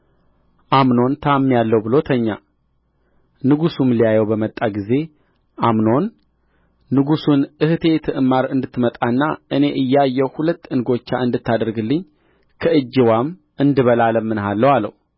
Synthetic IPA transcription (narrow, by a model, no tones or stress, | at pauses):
ʔamno̞nt̪ʰamːijalːəwbɨlo̞t̪ʰəɲːa̰ | nɨɡusumlijajɛwbəmət̪ʼːaɡize̞ | ʔamno̞nː | ɨɡusunɨhɨt̪ʰe̞t̪ʰɨʔɨmːaɾɨnd̪ɨt̪ːmət̪ʼanːaʔɨne̞ʔɨjːajːɛwhulət̪ːɨnɡo̞t͡ʃːaɨnd̪ɨt̪ːad̪əɾɡɨlːɨɲː | kʰəʔɨd͡ʒːɪwam | ʔɨnd̪ɨβəlaləmːɨnɦalːəwalːə̰hu